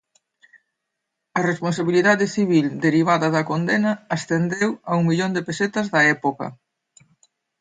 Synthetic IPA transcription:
ɐresponsaβiliðaðɪθiβild̪eɾiβ̞aðɐðɐkond̪enɐːst̪end̪ewɐuŋmiʎond̪epeset̪ɐzðɐɛpokɐ̰

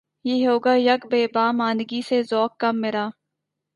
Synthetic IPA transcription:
jeɦoːɡaːjɐkbeːbaːmaːnɡisezɔːkːɐmːɪɾaː

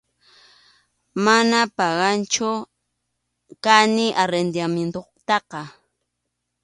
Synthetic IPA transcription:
manapɑɢɑnt͡ʃʊ | kanɪʔaɾend̪jament̪oqt̪ɑqɑ

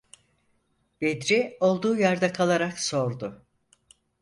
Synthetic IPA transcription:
b̥ed̪ɾio̞lˠd̪uːjaɾd̪akʰalˠaɾakso̞ɾd̪ʊ

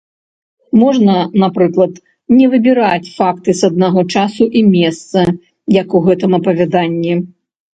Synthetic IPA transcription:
mɔʐnɐnapɾɨklˠɐt̪ | nʲɛvɨbʲiɾat͡sʲfakt̪ɨsɐd̪naɣɔt͡ʂasuʔimʲɛst̪sɐ | jɐkuɣɛt̪ɨmɐpɐvʲad̪anʲːi

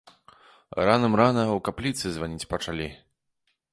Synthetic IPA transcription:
ranɐmɾanɐwkaplʲit̪sɨzvanʲit͡sʲpɐt͡ʂalʲi

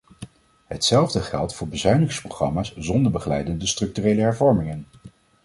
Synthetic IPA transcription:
ɦətsɛlˠvdəχɛ̰lˠtfʊːɹbəzœɥnɪŋsproχrɑ̰maːszɔndəɹbəχəlɛjdəndəstrɵk̚tyrejləɦɛɹvɔɹmɪŋən

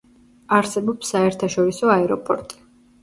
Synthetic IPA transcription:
aɾsɛbɔpsːaɛɾt̪ʰaʃɔɾisɔaɛɾɔpʰʼɔɾt̪ʼi̥

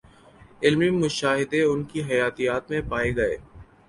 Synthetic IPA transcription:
ɪlmimʊʃaːɦɪd̪eʊnkiɦɐjaːt̪ijaːt̪mẽpaːeɡɐḛː

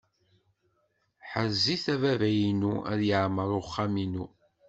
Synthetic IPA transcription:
ħəziθævævæjinuæ̰ðjəʕməɾˤʊχːaminu

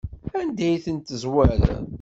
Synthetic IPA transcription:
ænd̪æjθənt̪əzwæɾ̰

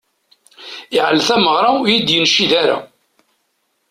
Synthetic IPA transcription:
ɪʕlθæməʁɾˤajid̪jənʃːiðaɾa̰

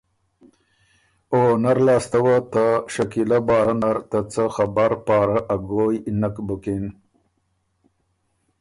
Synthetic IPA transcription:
onaɾlɑːst̪awət̪aʃakilabɑːɾanaɾt̪ət͡səxabaɾpɑːɾaʔaɡojnakbukin

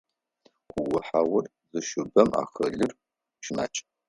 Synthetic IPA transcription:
ʊwʊħawɐr | zɨʃʊbɐma̰ːχɐɮɨr | ʃɪna̰ːt͡ʃʼ

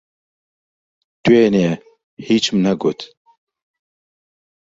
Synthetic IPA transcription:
t̪ueːneɛ | hiːt͡ʃmnɐɡot̪

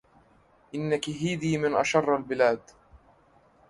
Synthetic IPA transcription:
ʔɪnːakɪɦiːd̪iːmɪnʔɑ̰ʃɑrˤːalbɪlaːd̪

